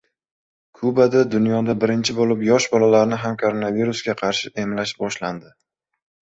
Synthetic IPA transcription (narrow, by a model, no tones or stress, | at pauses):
kʰubad̪ad̪ʊnjɒd̪abɪɾɪnt͡ʃʰɪbolɪpjɒʃbɒlalaɾnɪɦamkʰoɾo̞naviɾʊsɡʲaqʰɑɾʃɪʔe̞mlaʃbɒʃland̪ɪ